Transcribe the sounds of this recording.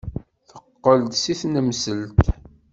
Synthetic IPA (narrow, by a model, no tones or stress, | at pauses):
θəqːəld̪siθnəmsəlt̪